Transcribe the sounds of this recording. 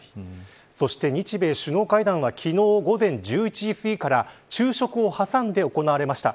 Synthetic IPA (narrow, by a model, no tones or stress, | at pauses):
so̞ɕi̥t̪e̞ɲ̟it͡ɕibe̞ːɕɨno̞ːkaid̪ãɰ̃βakʲʰino̞ːɡo̞zẽ̞ɲ̟d͡ʑɨːit͡ɕiːsɨikaɾat͡ɕɨːɕo̞kɯ̟o̞hasãnd̪e̞o̞ko̞naβaɾe̞maɕi̥t̪a̰